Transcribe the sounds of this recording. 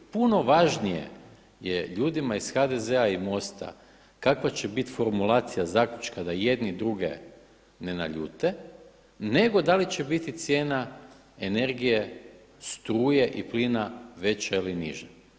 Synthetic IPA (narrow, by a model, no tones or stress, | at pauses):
puno̞ʋaʒnijḛ | jeʎuːd̪imaisxad̪ezeaimo̞st̪a̰ | kakʋat͡ɕebit̪i̥fo̞ɾmulˠaːt̪sijazaːkʎʲut͡ʃkad̪aje̞d̪nid̪ɾuɡḛ | ne̞na̰ʎṵːt̪e̞ | ne̞ɡo̞d̪alit͡ɕebit̪it̪sje̞ːna | ene̞ɾɡije | st̪ɾuːje̞ʔiplinaʋe̞t͡ɕailiniʒe